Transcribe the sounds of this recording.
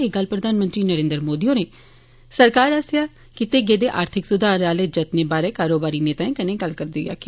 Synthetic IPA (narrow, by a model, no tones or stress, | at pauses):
eːɡəlpɾəd̪ʱaːnmə̃nt̪ɾiːnəɾẽːnd̪ɾmoːd̪iõːneː | səɾkaːɾasjaː | kɪt̪eːɡeːd̪eːʔaːɾt̪ʰɪksʊd̪ʱaːɾaːleːd͡ʒət̪neːbaːɾeːkaːɾoːbaːɾiːneːt̪ãːĩːkənẽːɡəlkəɾd̪eoːja̰ːkɪ